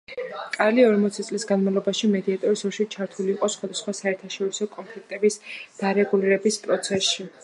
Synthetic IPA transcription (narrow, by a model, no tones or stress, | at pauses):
kʼaliɔɾmɔt̪sʰit̪sʼlisɡanmavlˠɔbaʃimɛd̪iat̪ʼɔɾisɔɾʃit͡ʃʰaɾt̪ʰuliːqʼɔsχwad̪asχwasaɛɾt̪ʰaʃɔɾisɔkʼɔmpʰlik̚ʰt̪ʼɛbisd̪̥aɾɛɡuliɾɛbispʼɾɔt̪sʰɛsʃi